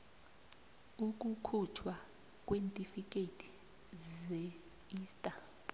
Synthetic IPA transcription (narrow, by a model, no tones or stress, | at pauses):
uk̬ʼukʰut͡ʃʰwa | k̬ʼwentʼifik̬ʼetʰi̥ | zɛ | iːstʼa